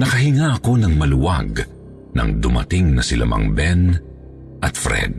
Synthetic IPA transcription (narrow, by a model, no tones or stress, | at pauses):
nɐkɐɦɪŋaʔɐko̞nɐŋmɐlʊwaɡ | nɐ̰ŋd̪ʊmɐ̰t̪ɪŋnɐsɪlɐ̰mɐ̰ŋbɛn | ʔɐt̪fɾɛ̰d̪̚